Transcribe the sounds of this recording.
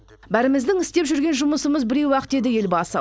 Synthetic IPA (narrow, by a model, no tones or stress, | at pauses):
bæɾɪmɪzd̪ɪŋɪst̪e̞pʒʏɾɡʲe̞nʒʊməsəməzbɪɾe̞wwɑqət̪e̞d̪ɪje̞lbɑsə̰